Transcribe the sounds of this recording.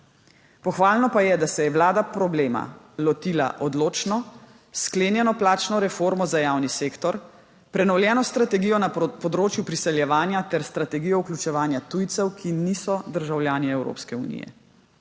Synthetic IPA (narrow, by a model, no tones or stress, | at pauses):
pɔxʋaːlnɔpajɛd̪asɛjɛʋlaːd̪apɾɔbleːma̰ | lɔt̪ila̰ʔɔd̪loːt͡ʃnɔ | skleːnjɛnɔplaːt͡ʃnɔɾɛfoːɾmɔzajaːwniseːkt̪ɔɾ | pɾɛnɔwljɛːnɔst̪ɾat̪ɛɡiːjɔnapɔd̪ɾoːt͡ʃjupɾisɛljɛʋaːnjat̪ɛɾst̪ɾat̪ɛɡijɔuklʲut͡ʃɛʋaːnjat̪uːjt̪sɛwkʰinisɔd̪əɾʒawljaːniɛwɾo̰ːpskɛṵnḭːjɛ̰